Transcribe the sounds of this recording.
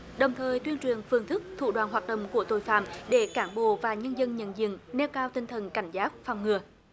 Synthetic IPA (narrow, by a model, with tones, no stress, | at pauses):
ɗə˨˩wŋ͡mt̪ʰəː˨˩jt̪wi˧ənt͡ɕwi˨˩ənfɨ˨˩əŋnt̪ʰɨ˦˥k̚t̪ʰṵ˧˨ɗwaː˧˨nɦwaː˨˩t̚ɗə̰˧˨wŋ͡mku˧˩ət̪o˧˩˨jfa̰ː˧˨mɗe˧˩kaː˧˩nɓo̰˧˨vaː˨˩ɲə˧nzə˧nɲə̰˧˨nzḭ˧˨əŋnɛ˧wkaː˧wt̪ï˧ŋ̟t̪ʰə˨˩nka˧˩jŋ̟zaː˦˥t̚faː˧˨˩wŋɨ˨˩ə